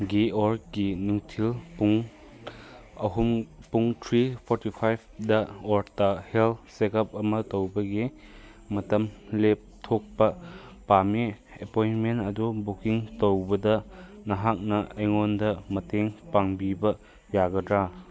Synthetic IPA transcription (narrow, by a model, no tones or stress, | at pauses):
ɡeoɾɡinuŋtʰilpuŋ | ɐɦumpuŋtʰɾipʰɔɾtipʰajb̚dɐɔɾtahelsekɐp̚ɐmɐtowbɐɡi | mɐtɐmlep̚tʰok̚pɐpami | epojnmenɐdubukiŋtowbɐdɐnɐɦak̚nɐejŋondɐmɐteŋpaŋbibɐ | jaɡɐdɾa